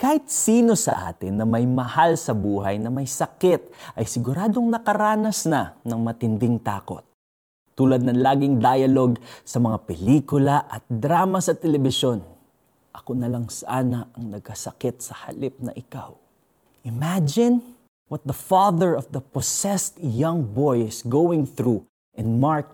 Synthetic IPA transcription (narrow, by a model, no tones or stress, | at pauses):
kaːhɪt̪̚siːno̞sɐ̰ʔa̰ːt̪ɪnːɐmɐjmɐhalsɐbuːhɐjnɐmɐjsɐkɛt̪̚ʔɐjsɪɡʊɾaːd̪o̞ŋnɐkɐɾaːnɐsnɐnɐŋmɐt̪ɪnd̪ɪŋt̪a̰ːko̞̰t̪̚ː | uːlɐd̪̚nɐŋlaːɡɪŋd̪aːjɐlo̞ɡsɐmɐŋapɛliːkʊlɐʔɐt̪̚d̪ɾaːmɐsɐt̪ɛlɛbɪʃo̞n | ʔɐkonɐlaŋsɐʔaːnɐʔɐŋnɐɡ̚kɐsɐkɪt̪sɐhɐ̰lɪp̚nɐ̰ʔɪka̰w | ʔɪmad͡ʒɪn | wɐt̪̚d̪ɐfaðɛɹɔfd̪ɐposɛst̪jɐŋbojɪsɡowɪŋθɹu | ʔɛ̃nmaɹk̚